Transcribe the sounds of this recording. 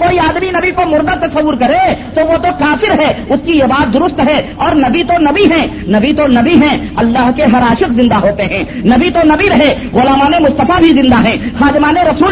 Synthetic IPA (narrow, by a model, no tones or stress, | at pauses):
koːiaːd̪minɐbikomʊɾd̪ət̪ɐsɐwːʊɾkɐɾet̪oʋot̪okaːfɪɾɦɛːʊskiɪbaːd̪̚ːʊɾʊst̪ɦɛɔːɾnɐbit̪onɐbiɦɛ̃ | nɐbit̪onɐbiɦɛ̃ | ɐlːaːɦkeɦɐɾaːʃɪqzɪ̃nd̪aɦoːt̪eɦɛ̃ːnɐbit̪onɐbiɾɐɦe | ɣʊlaːmaːnemʊst̪əfabʱizɪ̃nd̪aɦɛ̃ːxaːd̪ɪmaːneɾɐsuːl